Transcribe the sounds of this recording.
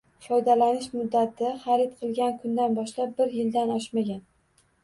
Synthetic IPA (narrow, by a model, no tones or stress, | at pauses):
fɒjd̪alanɪʃmʊd̪ːat̪ʰɪχaɾɪt̪̚qʰɨlˠɡʲankʰʊnd̪anbɒʃlap̚bɪɾjɪld̪anɒʃmaɡʲan